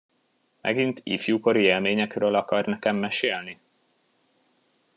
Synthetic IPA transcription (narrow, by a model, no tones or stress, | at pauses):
mʔɛ̰ɡint̪ḭfjuːko̞ɾieːlmeːɲɛkrøːlɒkɒrnɛkɛmːɛʃeːlni